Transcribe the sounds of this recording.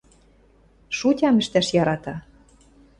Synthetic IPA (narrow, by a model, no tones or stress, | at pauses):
ʃutʲɑmɘ̆ʃt̪æʃjɑɾɑt̪ɑ